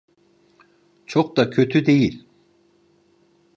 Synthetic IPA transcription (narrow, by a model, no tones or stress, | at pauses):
t͡ʃʰok̚d̪akʰø̞t̪ʰyd̪e̞jilʲ